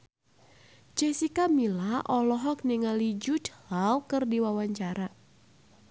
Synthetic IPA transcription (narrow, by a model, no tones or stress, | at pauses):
d͡ʒesikamilaʔɔlɔɦɔk̚niŋalid͡ʒʊt̪lawkɨrdiwawaɲt͡ʃaɾa